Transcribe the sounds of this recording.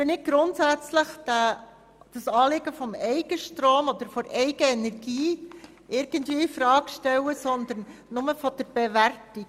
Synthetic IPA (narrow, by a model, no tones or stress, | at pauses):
enɪt̚ɡ̥ɾʊntsæt͡sləχd̥æ | d̥ɑsɑːlɪɡəfɔmɛɪɡ̥əʃtɾoːmɔd̪əɾfɔɾɛɪɡəɛnɛɾɡiː | ʔɪɾɡ̥ən̩tviːifɾɑːɡ̥ʃtɛwəsɔnd̪əɾnːʊməfɔd̥əɾb̥ɛværti